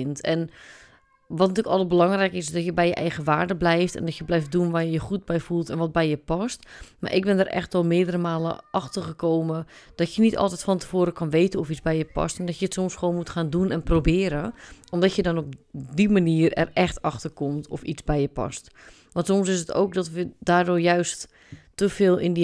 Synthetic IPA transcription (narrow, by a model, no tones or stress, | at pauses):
ɪntɛn | ʋɔtnətyəkɔlˠət̚bəlɑŋrɛjkəɪsdɔtjəbɛjəʔɛjɣəʋaːrdəblɛjftɛ̰ndɔtjəblɛjf̚dunʋajəjəxut̚bɛjfulˠtɛnʋɔt̚bɛjjəpɔstma̰rʔɪk̚bɪndərʔɛ̰xtʋɔlˠmɪədərəmaːlə̰ʔɑxtərxəkoːməd̥ɔtjənitʰɔ̰lˠtɛtfɔntə̥foːɾəkɔnʋeːtənɔfizbɛjjəpɑ̰stɛndɔtjəətsɔmsxʋoːnmutxaːndunɛnprobɪːəɾəɔmdɔtjədɔnɔp̚dimaniːərɛ̰rɛxtɑxtərkomtʰɔfit͡sbɛjəpɔ̰st | ʋɔ̃ntsomsɪsəto̰ːk̚dɔtʋədaːrdʊːrjœɥstː | əfɪːlˠɪndi